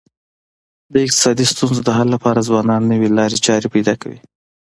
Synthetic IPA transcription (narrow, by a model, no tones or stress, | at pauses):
d̪əɪq̚t̪ɪ̥sɑd̪ist̪unzod̪əɦalːapɑɾazwɑnɑnːəwelɑɾet͡ʃɑɾepajd̪ɑkawḭ